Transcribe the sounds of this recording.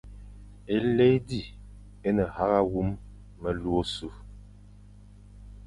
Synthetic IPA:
e˨le˦di˦˨ | e˦nə˨ha˦ɣa˦ɣu˦mː | ə˨lu˦o˦su˦

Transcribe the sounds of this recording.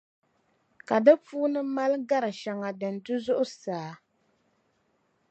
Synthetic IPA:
ka˨dɨ˦fuː˦nɨ˦ma˦lɡa˦ɾɨ˨ʃa˨ŋa˨dɨ˨n˨tɨ˦zʊ˦ʔʊ˦saː˨˦

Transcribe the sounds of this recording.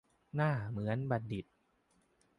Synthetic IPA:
naː˥˩mɯ˩˦ənba˨˩t̪̚di˨˩t̪̚

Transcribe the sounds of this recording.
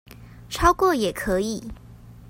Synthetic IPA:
ʈ͡ʂʰɑ˥ʊkwɔ˥˩jɛ˨˩kʰɤ˧˦i˨˩˦

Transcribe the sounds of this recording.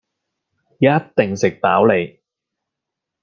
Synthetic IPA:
jɐ˥t̚t̪ɪ˨˩ŋsɪ˨k̚paː˨˥wle˨˧j

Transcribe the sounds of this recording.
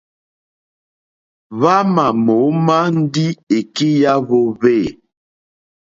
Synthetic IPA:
βa˦ma˨mo˨˦ma˦n̩˦di˦e˨ki˦ja˦βo˦ve˦˨

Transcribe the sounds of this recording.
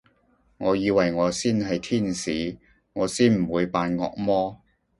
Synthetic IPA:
ŋɔː˨˧jiː˨˧wɐ˨jŋɔː˨˧siː˥nɦɐ˨jt̪ʰiː˥nsiː˨˥ | ŋɔː˨˧siː˥˩nm̩˨˩wuː˨˧jpaː˧nŋɔ̰ː˧k̚mɔː˥

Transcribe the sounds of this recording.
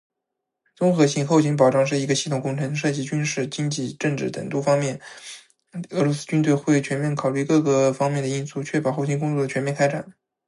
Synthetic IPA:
t͡sʊ˥ŋxɤ˧˥ɕʰi˧˥ŋxʊɕʰi˥ŋp̬ɑ˨˩ʊʈ͡ʂɑ˥˧ŋʂ̬ɻ̩˥˩i˧˥ɡə˧ɕi˥˩t̪ʰʊ˨˩ŋkʊ˥˩ŋʈ͡ʂʰɤ˧˥ŋd̪ə˧ʂɤ˥˧t͡ɕi˧˥˩t͡ɕy˥nʂɻ̩˥˩t͡ɕi˥nt͡ɕi˥˩ʈ͡ʂɤ˥˧ŋʈ͡ʂɻ̩˥˩t̪ə̰˨˩ŋt̪u˥˩fɑ˥ŋmjɛ˥˩n | ɤ˧˥lwɔ˧˥sɹ̩˥t͡ɕy˥nt̪̬we˥˧ɪxwe˥˩ɪt͡ɕʰɥɛ˧˥nmjɛ˥˩nkʰɑ˨˩ʊly˥˧kɤ˥˩ɡə˩fɑ˥ŋmjɛ˥˩nd̪ə˩i˥˧nsu˥˩t͡ɕʰɥɛ˥˩pɑ˨˩ʊxo˥˩ʊɕʰi˥ŋkʊ˥ŋt͡swɔ˥˩d̪ə˩t͡ɕʰɛ˧˥mjɛ˥˧nkʰa˥ɪʈ͡ʂa˨˩˦n

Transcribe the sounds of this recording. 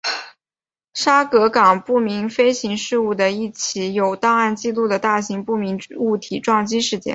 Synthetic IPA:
ʂa˥kɤ˧˥kɑ˨˩ŋpu˥˩mi˧˥ŋfe˥ɪɕi˧˥ŋʂɻ̩˥˧u˥˩d̪ə˩i˥˩t͡ɕʰi˧˥jo˨˩ʊt̪ɑ˥˧ŋa˥˧nt͡ɕi˥˧lu˥˩d̪ə˩t̪a˥˩ɕi˧˥ŋpu˥˩mi˧˥ŋu˥˩t̪ʰi˨˩ʈ͡ʂwɑ˥˩ŋt͡ɕi˥nʂɻ̩˥˧t͡ɕjɛ̰˥˧n

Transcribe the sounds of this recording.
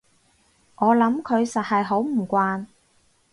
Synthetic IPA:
ʔɔː˨˧lɐ˨˥mkʰɵ˨˧ɥsɐ˨t̚hɐ˨jɦo˨˥wm̩˨˩kʷaː˧n

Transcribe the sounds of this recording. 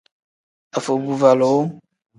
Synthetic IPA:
a˨fo˨bu˨va˨lo˨˦

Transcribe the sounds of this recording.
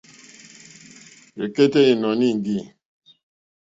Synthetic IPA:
e˨ke˦te˦i˨nɔ˨ni˦˨ŋ˨ɡi˦˨

